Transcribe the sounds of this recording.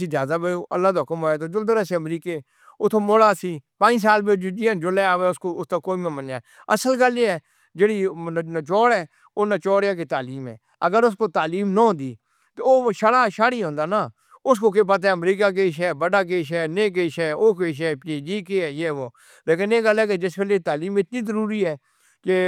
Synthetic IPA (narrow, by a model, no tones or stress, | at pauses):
siːd̪jaːzaːbeʔə̰lːaːd̪oːɦʊkəmoːeːt̪oːd͡ʒʊld̪əɾaːsiəmɾiːkeː | ʊt̪ʰːomoːlaːsiːpãːd͡ʒs̬aːlbed͡ʒd͡ʒiːə̃nd͡ʒʊleːaːʋeːʊskoːʊst̪aːkoːimẽmənaːɛ | əsəlɡəliɛː | d͡ʒeːɽiːt͡ʃɔːɽɛː | oːnat͡ʃɔːɽjaːk̬eːt̪aːliːmɛ̰ː | əɡəɾʊskoːt̪aːliːmnəɦõːnd̪iː | t̪oːʃəɽaːʃaːɽiːɦõːnd̪aːnaː | ʊs̬koːk̬ep̬ət̪̬aɛəmɾiːkaːk̬eːʃ̬ɛːbəɖaːkeːʃɛːneːkeːʃɛːoːkeːʃ̬ɛːpeːd͡ʒiːkeːɛːjeːʋoː | leːkɪneːɡəlɛːk̬ed͡ʒɪskelet̪aːliːmɪt̪niːzəɾuːɾiːɦɛː | ke